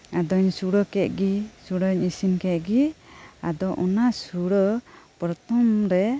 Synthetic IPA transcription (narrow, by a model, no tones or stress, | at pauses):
ad̪ɔɲsuɽɔkɛt̪̚ˀɡisuɽɔɲisinkɛt̪̚ɡiad̪ɔʔɔnasuɽɔpɾɔt̪ɔmɾɛ